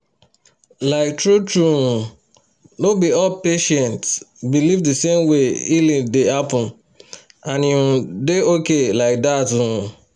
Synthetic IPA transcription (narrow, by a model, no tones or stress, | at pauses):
laɪk̚tɹutu | nobiɔpeʃɛ̃ntsbilivdesemweilĩndehapʊ̃n | ãniũdeokelaɪk̚datuũ